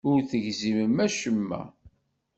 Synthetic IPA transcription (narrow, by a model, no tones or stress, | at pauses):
ʊɾθəʝziməmæʃəmːæ̰